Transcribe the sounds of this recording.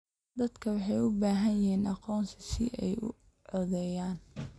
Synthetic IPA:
d̪ɐd̪kʰɐwɑħɑjʊbaːɦɐnjɪhiːnʔɑqɔːnsɪsɪ̰ʔɛjʊ̰ | ʕɔðɛjaːn

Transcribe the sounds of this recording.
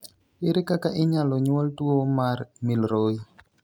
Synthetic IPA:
ɪɾɪkakaʔɪɲalɔɲwɔltuomaɾmilɾoj

